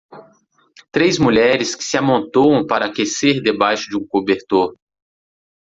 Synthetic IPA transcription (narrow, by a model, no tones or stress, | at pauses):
t̪ɾejzmuʎɛɾɪskɪ̥sɪamõnt̪ow̃w̃paɾɐakeseɾd̪ebajʃʊd͡ʒɪũkobeɾt̪oɾ